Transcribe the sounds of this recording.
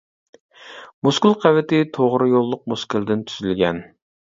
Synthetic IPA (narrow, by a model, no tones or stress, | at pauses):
muskʲilˠqʰævɪt̪ɪt̪ʰoʁɾɨjolˠːʊq̚muskʲɨlˠd̪ɪnt̪ʰy̥zylɡʲɛ̰n